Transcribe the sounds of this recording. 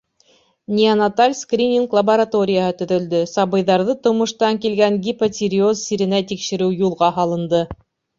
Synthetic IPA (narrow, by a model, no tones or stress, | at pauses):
nʲiɐnɐt̪alʲskrʲinʲiŋklˠɐbɐɾat̪o̞ɾʲɪjəhɤt̪ɵ̆ðɵ̆ld̪ɵsɑβɤ̆jðɑɾðɤt̪ŏmŏʃt̪ɑŋkilɡæŋɡʲipɐsʲiɾʲɪozsiɾɘ̆næt̪ikʃɘ̆ɾɘwjulˠʁɑɦɑlˠɤ̆nd̪ɤ